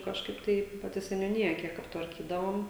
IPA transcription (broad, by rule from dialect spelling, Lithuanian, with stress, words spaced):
kɐʃˈkɐɪp tɐɪ pɐˈtʲɪ sʲɛnʲuːˈnʲɪjɛ ˈkʲiɛk ɐptʋɐrʲˈkʲiːdɐʋoːm